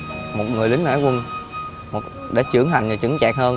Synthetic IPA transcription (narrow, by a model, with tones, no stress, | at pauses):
mo˨˩t̚ŋɨ˨˩əjlï˨˦ŋ̟ʔa̰ː˧˥jkwə˧n | mo˨˩t̚ | ɗḛ˧˩˥t͡ɕɨ˧˩əŋɦa˨˩jŋ̟ɨ˨˩t͡ɕɨ˧˦ŋt͡ɕa̰ː˨k̚həː˧n